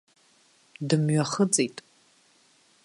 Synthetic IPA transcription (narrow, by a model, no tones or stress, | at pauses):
dɨmɥɐχət͡sʼijtʼ